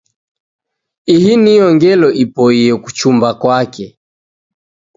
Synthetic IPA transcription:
ihiniɔŋɡɛlɔʔipɔiɛku̥t͡ʃumbakwakɛ

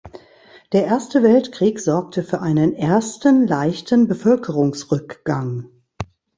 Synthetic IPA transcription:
d̥eːɐʔeːɐstəvɛltkʁ̥iːkz̥ɔɐk̚tʰəfyːɐʔaɪnənʔeɐstnlaɪçtn̩bəfœlkʰəʁʊŋsʁʏkɡ̥aŋ

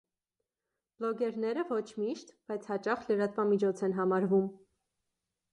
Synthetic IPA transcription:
b̥lɔɡɛɾnɛɾəvɔt͡ʃʰmiʃt̪b̥ɑjt͡sʰhɑt͡ʃɑχləɾɑt̪vɑmit͡ʃʰɔt͡sʰɛnɦɑmɑɾvum

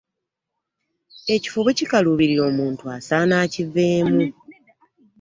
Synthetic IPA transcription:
e̞ci̥foβecikaluβiɾiɾo̞ːmuːntuasanaːcive̞ːmu

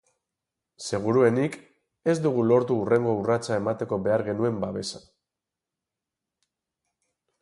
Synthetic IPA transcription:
se̞ɣ̞uɾue̞nik | e̞zd̪uɣ̞ulo̞ɾt̪uːre̞ŋɡo̞urat͡sae̞mat̪e̞ko̞βe̞aɾɣe̞nue̞mbaβe̞sḁ

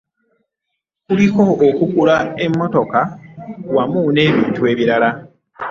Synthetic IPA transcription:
kuliko̞ːkukulae̞mːo̞to̞kawamuːne̞ːβiːntue̞ːβiɾala

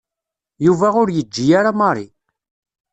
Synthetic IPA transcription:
juvæʊɾjəd͡ʒːijaɾamɑɾˤḭ

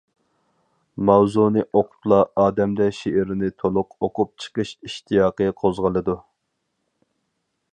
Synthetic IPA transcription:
mɑwzunɨʔoqʰʊ̥pʰlˠɑɑːd̪ɛmd̪ɛʃeʔɪɾɪnɪt̪ʰolˠʊqoqʊp̚t͡ʃʰə̥qəʃiʃt̪ʰijɑːqəqʰozʁəlˠɨd̪u

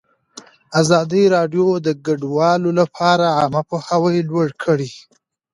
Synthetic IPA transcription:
azɑd̪iɾɑɖjod̪əɡaɖwɑlolapʰɑɾaɑmapohawəjlwaɽkʰəɽi

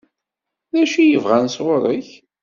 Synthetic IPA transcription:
ðæʃijəvʁænsʁoɾˤiç

